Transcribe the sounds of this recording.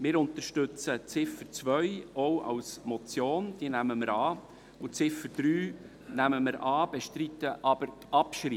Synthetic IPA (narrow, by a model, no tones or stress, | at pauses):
mɪːɾʊnt̪əɾʃtʏt͡sət͡sɪfət͡sʋœʏɔwɑ̰wsmɔt͡sjoːnd̪̥iənæməməɾɑː | ʊt͡sɪfəɾd̥̪ɾyː | næməməɾʔɑːb̥eʃtɾit̪əʔɑb̥əɾ | ɑpʃɾi